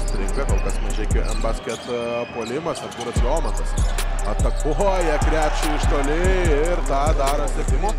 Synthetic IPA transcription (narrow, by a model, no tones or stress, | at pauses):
ɾʲɪŋkˠɐkɐlˠkɐsmɐʒʲeːkʲoʔɛmbɐsʲkʲɛt̪puɔlʲɪmɐsɐt̪kuːɾɐsjoːmɐt̪ɐsɐt̪ɐkʊɦojɛkɾʲæːpʲt͡ʃʲʊɪʃt̪oːlʲɪɪɾt̪ɑːd̪ɑːɾɐsʲɛt̪ʲɪmʊ